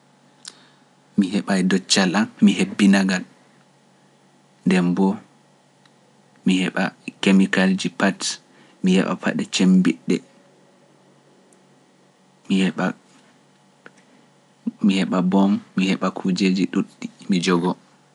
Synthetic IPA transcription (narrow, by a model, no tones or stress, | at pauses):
mihɛɓajdɔt͡ʃːalanmihebːinaɡal | ndɛmbɔ | mihɛɓa̰kemikald͡ʒipat | mihɛ̰ɓa̰pʰa̰ɗɛt͡ʃembiɗːɛ̰ | mihɛɓa | mihɛɓabɔmːihɛɓakʰud͡ʒed͡ʒiɗuɗːimid͡ʒɔɡɔ